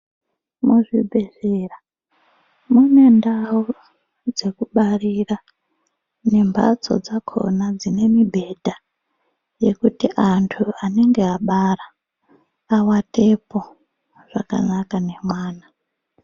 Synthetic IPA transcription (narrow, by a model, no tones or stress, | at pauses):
muʐibʱe̞zera | mune̞ndau | d͡ze̞kuɓarira | ne̞mba̰t͡so̞̰d͡zakʰo̰nad͡zine̞mibʱe̞dʱa | je̞kutiʔantʰuane̞ŋɡe̞aɓaraː | wate̞po | ʐ̥aka̰nakane̞mwaːna